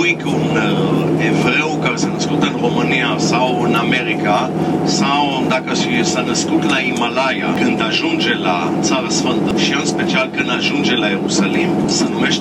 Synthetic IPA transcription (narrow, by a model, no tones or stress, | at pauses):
ujkunevɾewkaɾesanəskut̪ɨnromɨniasawɨnameɾika | saw | d̪akəʃisanəskut̪laimalajakɨnd̪aʒund͡ʒe̞la̰ | t̪saɾəsfənt̪əʃiɨnspe̞t͡ʃialkɨnd̪aʒund͡ʒe̞laje̞ɾusalimsənumeʃ